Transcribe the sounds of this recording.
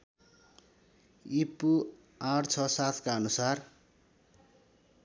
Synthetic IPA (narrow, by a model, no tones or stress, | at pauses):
ipu | ãɽt͡sʰʌsat̪ʰkaʌnusar